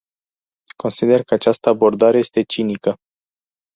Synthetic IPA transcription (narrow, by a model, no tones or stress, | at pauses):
kʰo̞nsid̪e̞rkəat͡ʃast̪əabo̞rd̪aɾe̞je̞st̪e̞t͡ʃinikə